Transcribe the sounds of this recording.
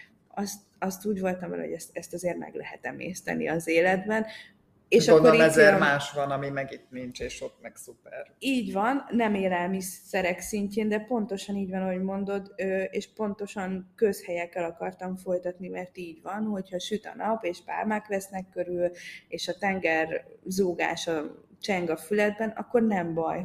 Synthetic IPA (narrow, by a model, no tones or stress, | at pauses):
ɒst̪ | ɒst̪uːɟvo̞lt̪ɒmvɛ̰l̰ɦo̞̰ɟɛst̪ɛst̪ɒzeːrmɛ̰ɡlɛ̰ɦɛ̰t̪ɛ̰mḛːst̪ɛ̰nḭɒzeːlɛd̪bɛn | eːʃɒokːoɾɛzɛrmaːʃʋɒnɒmimɛɡit̪nint͡ʃeːʃot̪mɛɡsupɛriːɟvɒnːɛmeːlɛlmisːɛɾɛksiɲceːnd̪ɛpo̞nt̪o̞ʃɒniːɟvɒnɒɦo̞ɟmo̞nd̪o̞d̪øeːʃpo̞nt̪o̞ʃɒŋkø̞shɛjɛkːɛlɒkɒrt̪ɒɱfo̞jt̪ɒt̪nimɛrt̪iːɟʋɒnho̞chɒʃyt̪ɒ̰nɒpeːʃpa̰ːlmaːklɛsnɛkːøɾyleːʃɒt̪ɛŋɡɛrzoːɡa̰ːʃɒ | t͡ʃɛŋɡɒfylɛd̪̚bɛnɒ̰kːo̞rnɛmbɒj